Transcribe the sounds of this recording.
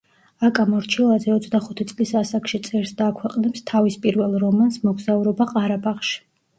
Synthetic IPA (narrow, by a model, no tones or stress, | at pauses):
akʼamɔɾt͡ʃʰilˠazɛɔt̪sʰd̪aχut̪ʰit̪sʼlisasakʰʃit̪sʼɛɾsd̪aːkʰwɛqʼnɛpst̪ʰavispʼiɾvɛlˠɾɔmansmɔɡzauɾɔbaqʼaɾabaχʃi̥